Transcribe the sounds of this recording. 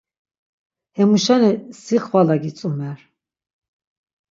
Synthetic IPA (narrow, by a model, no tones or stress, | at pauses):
hɛmuʃanɛsiχvalaɡit͡sʼumɛɾ